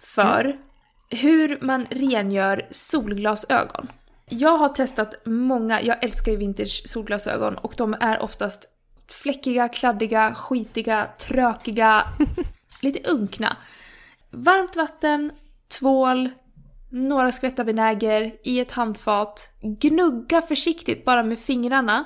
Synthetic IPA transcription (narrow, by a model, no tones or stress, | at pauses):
fœ̰ɾ | ɦɵ̟ɾmanɾeːnjœːɾsuːlɡlɑːsø̰ːɡɔ̰n | jɑːɡɦaʈʰɛst̪at̪mɔŋːa̰jɑːɡʔɛlskajɵvɪnt̪əʂsuːlɡlɑːsø̰ːɡɔ̰nɔ̰kd̪ɔmæɾʔɔ̰ft̪ast̪ | flɛkːɪɡakʰlad̪ːɪɡaɧiːt̪ɪɡat̪ʰɾøːkɪɡa | liːt̪əʔɵŋkna̰ | vaɾmt̪vat̪ːən | t̪ʰvoːl | noːɾaskvɛt̪ːabɛnɛːɡəɾʔɪɛt̪hand̪fɑːt̪ɡnɵɡːafœʂɪkt̪ɪt̪̚bɑːɾameːdfɪŋɾaɳa